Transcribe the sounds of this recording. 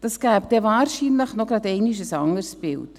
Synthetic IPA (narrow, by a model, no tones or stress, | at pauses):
d̥ɑsɡ̥æːbd̥ɛvaːɾʃinləχnoɡɾɑdɛɪnɪʃəsɑŋəɾsb̥ɪ̰lt